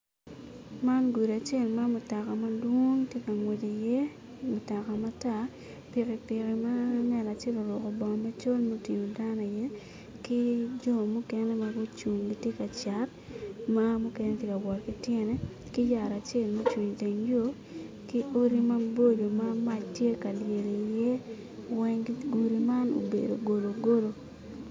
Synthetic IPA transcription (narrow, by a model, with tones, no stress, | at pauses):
ma˦nɡu˨ɾa˨t͡ʃe˦˨lma˦mʊ˨ta˨ka˨ma˦dwo˦ŋtje˦ka˨ŋwe˨d͡ʒe˨jɛ˦ | mʊ˨ta˨ka˨ma˦ta˨ | pɪ˨kɪ˨pɪ˨ki˨ma˦ŋɛ˨la˨t͡ʃe˦lo˨ɾwʊ˨kɔ˨bɔ˨ma˦t͡ʃo˦lmo˦ti˨ŋo˨da˦nɔ˨jɛ˦ | ki˦d͡ʒɔ˦mu˦kɛ˦nɛ˦ma˦bu˦t͡ʃu˨ŋɡi˦tje˦ka˨t͡ʃa˨t | ma˦mu˦kɛ˦nɛ˦tje˦ka˨wɔ˨tkɪ˦tjɛ˦nɛ˦ | ki˦ja˨ɾa˨t͡ʃe˦˨lmo˦t͡ʃwu˨ɲte˨ɲjo˦ | ki˦ʔo˦ɾi˦ma˦bo˦do˨ma˦ma˦t͡ʃtje˦ka˨lje˨le˨jɛ˦ | wɛ˦ŋɡiɡu˨ɾi˨ma˦no̰˨bḛ˨do̰˨ɡo˨lo˨ɡo˦lo˦˨